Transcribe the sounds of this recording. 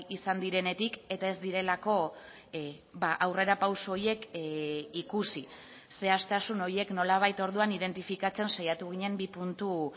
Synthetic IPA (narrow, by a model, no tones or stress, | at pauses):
isand̪iɾe̞ne̞t̪ike̞t̪ae̞zd̪iɾe̞lako̞ | baʔawre̞ɾapawsuoɾje̞k | ikusi | se̞ast̪asuno̞ɾje̞kno̞laβ̞ajt̪o̞ɾðuanið̞e̞nt̪ifikat͡se̞nsajat̪uɣ̞iɲe̞mbipunt̪u